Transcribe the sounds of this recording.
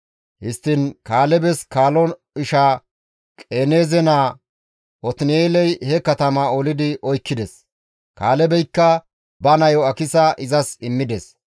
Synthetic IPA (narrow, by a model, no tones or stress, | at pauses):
hɪst̪ːɪnkaːlɛbɛskaːlɔn | ɪʃa | kʼeːneːzɛnaː | ʔɔt̪ɪneːlɛjhɛkɐt̪ɐmɐɔlɪd̪ɪʔɔjkːɪd̪ɛs | kaːlɛbɛjkːɐ | bɐnɐjɔɐkɪsɐʔɪzɐsɪmːɪd̪ɛs